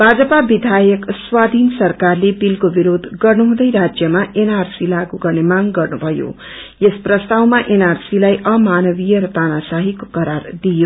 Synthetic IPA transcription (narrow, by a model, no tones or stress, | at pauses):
b̥ʱad͡zʌpabid̪ʱajʌkswad̪ʱinsʌrkarlebilkobiɾod̪ʱɡʌrnuɦũd̪ʌjɾad͡zjʌmaʔenarsilaɡuɡʌrnemaŋɡʌrnubʱʌjo̰ | jesprʌst̪awmaʔenarsilajʔʌmanʌbijʌɾʌt̪anasaɦikokʌɾard̪ijo